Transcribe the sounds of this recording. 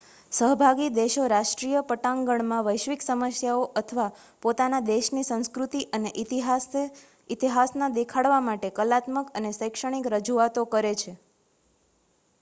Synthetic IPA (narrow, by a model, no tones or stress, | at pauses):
səɦbʱaɡid̪eʃoɾaʃʈɾijəpəʈãŋɡəɳmãʋəjʃʋiksəməsjaoʔət̪ʰəʋa | pot̪anad̪eʃnisə̃ñskɾut̪iʔəneʔ | it̪iɦasnad̪ekʰaɽʋamaʈekəlat̪məkənesəjkʃəɽ̃ikɾəd͡ʒuat̪okəɾet͡ʃʰe